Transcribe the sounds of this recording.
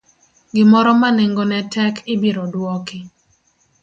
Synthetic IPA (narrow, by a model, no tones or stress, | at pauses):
ɡɪmɔɾɔmaneŋɡɔnɛtɛkʰɪbiɾɔdwɔkɪ